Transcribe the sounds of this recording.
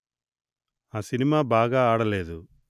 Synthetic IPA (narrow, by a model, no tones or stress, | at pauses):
aːsinimaːbaːɡaaːɽɐleːd̪u